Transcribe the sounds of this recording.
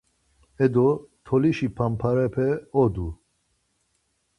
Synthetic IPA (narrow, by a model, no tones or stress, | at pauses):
ɛd̪ot̪ʰɔliʃipʰampʰaɾɛpʰɛɔd̪u